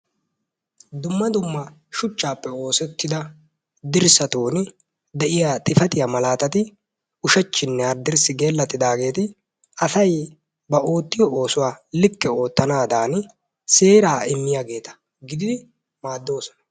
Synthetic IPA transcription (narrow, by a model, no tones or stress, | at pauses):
d̪ʊmːɐd̪ʊmːɐ | ʃʊt͡ʃːaːpːɛo̞ːsɛt̪ːɪd̪ɐ | d̪ɪɾsɐt̪oːnɪ | d̪ɛʔɪjaːt̪ʼɪfɐt̪ɪjamɐlaːt̪ɐt̪ɪ | ʊʃɛt͡ʃːɪnːɛɐɾd̪ɪɾsɪɡe̞ːlːɐt̪ːɪd̪aːɡe̞ːt̪ɪ | ɐsɐj | bɐʔo̞ːt̪ːɪjɔo̞ːsʊwaːlɪkːɛo̞ːt̪ːɐnaːd̪aːn | se̞ːɾaːɪmːɪjaːɡe̞ːt̪ɐ̥ | ɡɪd̪ɪd̪ɪ | maːd̪ːo̞ːsɔ̥nɐ